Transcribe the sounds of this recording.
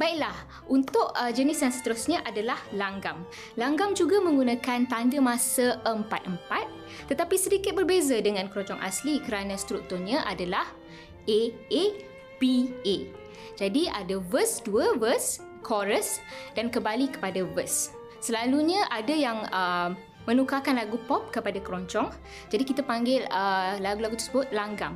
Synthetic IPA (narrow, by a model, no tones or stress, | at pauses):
baiʔ̚lah | unt̪ʊʔəd͡ʒənɪsjaŋsə̥t̪əɾʊsɲãʔadalahlaŋɡam | laŋɡamd͡ʒuɡamə̃ŋɡunãkant̪andəmãsəʔəmpat̪̚ʔəmpat̪̚ː | ət̪apisədikɪt̪̚bərbezadəŋãnkɾɔd͡ʒɔŋʔa̰slikəɾanãst̪ɾuk̚t̪ʊrɲãʔadalah | ʔee | pie | d͡ʒadiʔadavəsduəvəs | kʰɔɾəsdankəmbalikə̥padavəsː | əlaluɲə̃ʔadajaŋə | mənukakanlaɡupɔp̚kəpadakəɾɔɲt͡ʃɔŋ | d͡ʒadikit̪apaŋɡɪləlaɡulaɡut̪ə̥səbʊt̪̚laŋɡam